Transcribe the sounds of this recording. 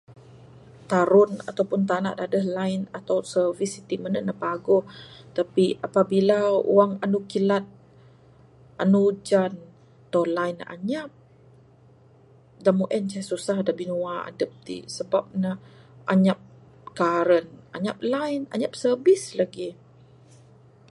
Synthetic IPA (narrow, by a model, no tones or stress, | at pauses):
t̪aɾʊna̰t̪awpʊnt̪ana̰ʔdadəhlaɪnat̪awsərvisit̪imənəʔnapaɡɔht̪apiapabilaṵwaŋanukilat̪̚ | ʔanud͡ʒan | t̪alajna̰ɲap̚ | damuʔɛnt͡ʃasusahdabinuaa̰dəp̚t̪ḭsəbap̚nə | ʔaɲap̚ | kaɾəna̰ɲa̰p̚lajna̰ɲap̚sərbɪslaɡi